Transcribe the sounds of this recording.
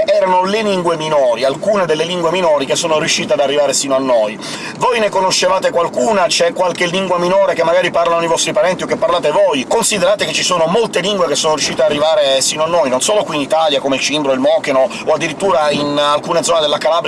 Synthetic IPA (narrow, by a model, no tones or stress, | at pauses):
ɛːɾanoleliŋɡweminɔːɾialkuːned̪elːeliŋɡweminoːɾikesːoːnoɾjuʃːiːt̪ead̪arːivaːɾesiːnoanːoj | vojnekonoʃːevaːt̪ekwalkuːnat͡ʃɛkːwalkelːiŋɡwaminoːɾekemːaɡaːɾiparlanoivɔst̪ɾipaɾɛnt̪iokːepːaɾlaːt̪evojkonsid̪eɾaːt̪eket͡ʃːisoːnomolt̪eliŋɡwekesːoːnoɾjuʃːiːt̪earːivaːɾesiːnoanːojnonsoːlokwiːnit̪aljakomeilt͡ʃimbɾoilmɔːkeno | oad̪ːiɾit̪ːuːɾainalkuːned̪zɔːned̪elːakalaːbɾ